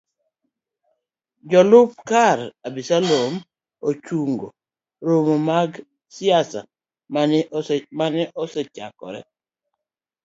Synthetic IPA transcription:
d͡ʒɔlʊp̚kaɾabisalom | ot͡ʃuŋɡo | ɾomomaɡ | sɪasa̰ | mamanɛʔɔsɛt͡ʃa̰kɔ̰ɾɛ̰

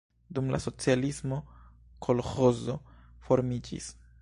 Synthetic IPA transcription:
dumla̰so̞t͡sialismo̞ | kʰo̞lxo̞zo̞fo̞ɾmid͡ʒḭs

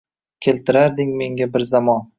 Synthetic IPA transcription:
kʲʰe̞lt̪ʰɪɾaɾd̪ɪŋme̞ŋɡʲabɪɾzamɒn

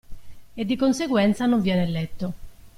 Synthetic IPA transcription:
ed̪ːikonseɡwɛnt̪sanoɱvjɛːnelːɛt̪ːo

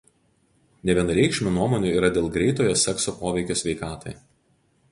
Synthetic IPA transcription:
nʲɛʋʲiɛnɾʲɛɪkʃʲmʲʊnuɔmoːnʲʊːˑiːɾɐd̪ʲeːlˠɡɾʲɛɪt̪oːjoːsʲɛksoːpoːʋʲɛɪkʲoːsʲʋʲɛɪkɑːt̪ɐɪ

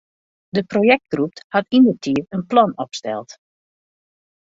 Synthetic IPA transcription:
dəprojɛk̚t̚ɡrup̚thatindərtʰiərənplɔnɔpstɛ̰lˠt

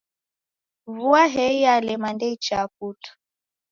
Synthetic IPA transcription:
vuaɦɛijalɛmandɛit͡ʃap̚utu̥

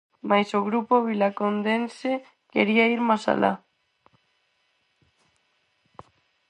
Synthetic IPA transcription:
majsoɣɾupoβilakond̪ense | kḛɾiaiɾmasa̰la̰

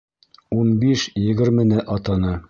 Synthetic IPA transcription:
unbiʃjɘ̆ɡɘ̆ɾmɘ̆nɘʔɑt̪ɑnɤ

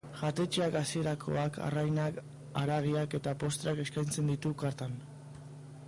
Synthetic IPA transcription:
ʝat̪e̞t͡ʃeakasie̞ɾakʰo̞̰aka̰rajnak | a̰ɾaɣ̞iake̞t̪apo̞st̪ɾeake̞skajnt͡se̞nd̪it̪ukaɾt̪an

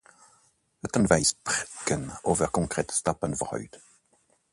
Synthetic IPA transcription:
œt̪ənvæɪsbʁɪkənoːvəʁkʰɔŋkʰʁeːt̪st̪ɑpənfɔʁhœ̰ʏd̪̥

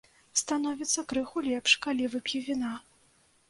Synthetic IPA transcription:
st̪anɔvʲit̪sːɐkɾɨxulʲɛpʂkalʲivɨpʲjivʲina

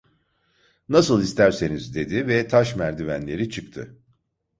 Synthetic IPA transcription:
nasɯlˠist̪ʰæɾse̞nizd̪e̞d̪ivɛt̪ʰaʃmæɾd̪ivæ̰nlʲe̞ɾit͡ʃʰɯkt̪ʰɯ

